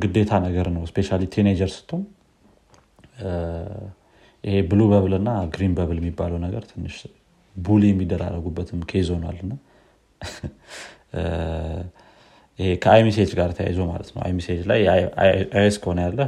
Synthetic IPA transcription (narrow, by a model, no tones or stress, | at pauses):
ɡɨd̪ːe̞t̪ʰanəɡəɾnəwspʰe̞ʃalit̪ʰened͡ʒəɾsɨ̥t̪ʰːom | ʔihe̞bɨlubəβlɨnːaɡɾinbəβljɛmːibːaləwnəɡəɾt̪ʰɨnːɨʃ | buljɛmːid̪ːəɾa̰rːəɡubːət̪ʰɨmkʰezo̞na̰lɨnːa | ʔhekʰəajmis̬ed͡ʒɡaɾt̪ʰəja̰jzoma̰lət̪nə̰wʔa̰jmised͡ʒlaj | eskʰəhonəjalːə